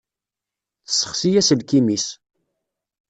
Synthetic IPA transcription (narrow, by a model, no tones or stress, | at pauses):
θə̥sːə̥χsijæsəlkimis